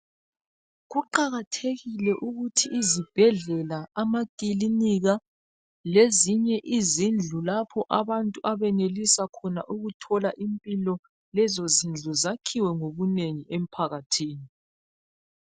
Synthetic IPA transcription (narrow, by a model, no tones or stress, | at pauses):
ɣuǃaɣatʰeɣilɛʔuɣutʰiʔːzib̥ʱɛɮɛlaamakʼiliniɣa | leziɲɛʔizind͡ɮʱulapʰɔʔaβantʼuʔaβɛnelisakʰɔnaʔuɣutʰɔlaʔimpʼilɔ | lɛzozind͡ɮʱuzakʰiwɛŋoβuneŋiem̩pʰaɣatʰiːni